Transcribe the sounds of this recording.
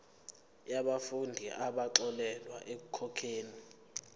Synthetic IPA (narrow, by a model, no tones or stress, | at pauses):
jaɓafundʱḭʔaɓaǁɔlɛlwa̰ʔek̬ukʰɔkʰeːni